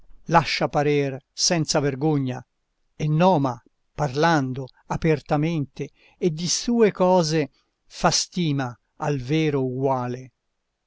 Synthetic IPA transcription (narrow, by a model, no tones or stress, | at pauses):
laʃːapaɾɛrsɛnt̪saverɡoɲːa̰ | enːɔːma | parland̪o | apert̪ament̪eː | d̪ːisuːekɔːze | fast̪iːmaː | lveːɾouɡwaːle